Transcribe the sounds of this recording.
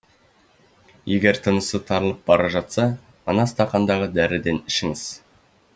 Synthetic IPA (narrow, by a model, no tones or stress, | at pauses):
je̞ɡʲe̞ɾt̪ʰənəsət̪ʰɑɾəlˠəp̚bɑɾɑʒɑt̪sɑ | ɑnɑst̪ɑqɑnd̪ɑʁəd̪æɾɪd̪e̞nɪʃɪŋɪz̥